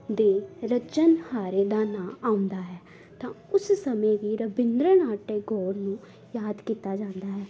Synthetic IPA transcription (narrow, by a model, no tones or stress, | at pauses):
d̪eːɾət͡ʃənhaːɾeːd̪aːnãːaːʊ̃nd̪aːɦɛː | t̪ãːʊssəmẽːʋiːɾəbɪnd̪ɾənaːʈeːɡɔːɾnũː | jaːd̪kiːt̪aːd͡ʒãːnd̪aːɦɛː